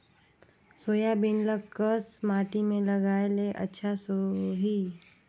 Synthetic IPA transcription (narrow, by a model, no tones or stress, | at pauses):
soːjabɪnləkəsmaːʈimẽlɐɡaːeleʔɐ̰tːʃʰasoɦi